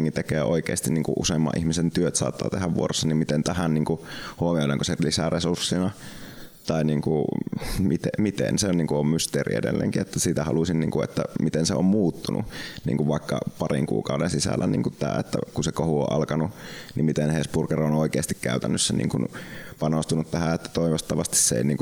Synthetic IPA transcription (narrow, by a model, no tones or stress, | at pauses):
ŋkit̪ekeːʔoikeːst̪inniːŋkṵʔʔṵsemːɑ̰ʔihmisent̪yøt̪sɑ̰ːt̪ːɑ̰ːt̪ehæʋʋuorosːɑnimmit̪ent̪æhænniːŋkuhuomioleŋkoselisæresursːinɑ | t̪ɑiniːŋkumit̪emit̪ḛnseonniːŋkuommyst̪eːrḭḛdḛlːḛːŋkiet̪ːæsiːt̪æhɑlusinniːŋkuḛt̪ːæmit̪enseommuːt̪ːunʔṵnḭːŋkuʋʋɑikːɑ̰pɑrḭŋkṵːkɑudensisæ̰lːænḭːŋkutt̪æ̰ːḛt̪ːæ̰kusekohuo̰ʔɑlkɑnunimmit̪enhespurkeronoˑikeːst̪ikkæyt̪ænːøsːænḭːŋkunpɑnost̪unut̪t̪æhæet̪ːæ̥t̪oiʋost̪ːɑʋɑst̪i̥sseḛˑiniːŋku